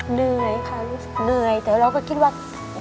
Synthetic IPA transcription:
nɯ˧˩əjkʰa˥˩ɾuː˦˥sɯ˨˩k̚nɯ˧˩əjt̪ɛː˨˩wɾa˧wkɔː˥˩kʰi˧t̪̚waː˥˩

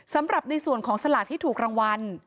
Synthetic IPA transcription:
sa˩˦mɾa˨˩p̚na˧jsu˨˩ənkʰɔː˩˦ŋsa˧laː˨˩t̪ʰːiː˥˩t̪ʰuː˨˩k̚ɾa˧ŋwa˧n

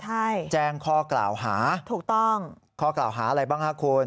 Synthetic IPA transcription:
t͡ɕʰa˥˩jt͡ɕɛː˥˩ŋkʰɔː˥˩kla̰ː˨˩wɦaː˩˦t̪ʰuː˨˩k̚t̪ɔ˥˩ŋ | kʰɔː˥˩klaː˨˩wɦaː˩˦ʔa˧ɾa˧jbaː˥˩ŋhaː˥˩kʰuː˧n

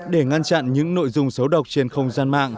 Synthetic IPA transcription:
ɗe˧˩ŋa˧nt͡ɕa̰˧˨nɲɨ̰˧˥ŋno̰˧˨jzʊ˧ŋ͡msə˨˦wɗə˨˩wk͡p̚t͡ɕe˧nxə˧wŋ͡mzaː˧nma̰ː˧˨ŋ

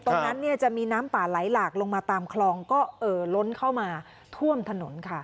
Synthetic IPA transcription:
t̪ɔː˧na˦˥nːi˥˩ɐt͡ɕa˨˩ʔmiː˧naː˦˥mpaː˨˩la˩˦jlaː˨˩k̚lo˧ŋmaː˧t̪aː˧mkʰlɔː˧ŋkɔː˥˩ʔɤː˨˩lo˦˥nkʰa˥˩wmaː˧ | t̪ʰu˥˩əmt̪ʰa˧no˩˦nkʰa˥˩

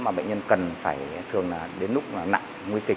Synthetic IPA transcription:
maː˨˩ɓə̰˧˨ŋɲə˧nkə˨˩nfaː˧˩jt̪ʰɨ˨˩əŋaː˨˩ɗe˨˦nlʊ˦˥k͡p̚aː˨˩na̰˧˨ŋ | ŋwi˧kï˨˩

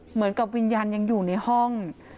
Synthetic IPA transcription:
mɯ˩˦ənka˨˩p̚wi˧njaː˧nja˧ŋjuː˨˩na˧jhɔ˥˩ŋ

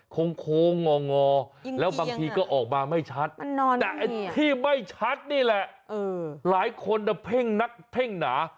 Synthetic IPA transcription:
kʰo˧ŋkʰoː˧ŋɔː˧ŋɔː˧lɛː˦˥wbaː˧ŋt̪ʰiː˧kɔː˥˩ʔɔː˨˩k̚maː˧ma˥˩jt͡ɕʰa˦˥t̪̚ːɔː˧ɛː˨˩ʔa˧t̪ʰiː˥˩ma˥˩jt͡ɕʰa˦˥t̪̚niː˥˩lɛ˨˩ʔʔɤː˧laː˩˦jkʰo˧nda˧˩pʰe˥˩ŋna˦˥k̚pʰe˥˩ŋnaː˩˦

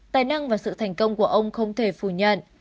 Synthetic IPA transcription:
t̪aː˨˧˩jna˧ŋvaː˨˩sɨ̰˧˨t̪ʰɛ˨˩jŋ̟kə˧wŋ͡mku˧˩əʔə˧wŋ͡mxə˧wŋ͡mt̪ʰe˧˩fu˧˩ɲə̰˧˨n

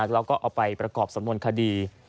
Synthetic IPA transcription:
k̚ɾaː˦˥wkɔː˥˩ʔaː˨˩pa˧jpɾa˧kɔː˨˩p̚sa˨˦mnu˧ənkʰa˧diː˧

